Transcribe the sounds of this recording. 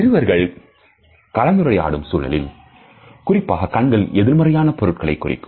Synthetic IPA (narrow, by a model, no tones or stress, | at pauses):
ɪɾɯʋɐɾɣɐɭ | kɐlɐnd̪ɯɾɐja̰ːɽɯmsuːlɐ̰lɪ̰l | kʊrɪpːaːɣɐkɐɳɡɐɭɛðɪɾmɐrɐjaːnɐpɔɾɯʈ̚kɐɭɐɪkːʊrɪ̰kːɯ̥m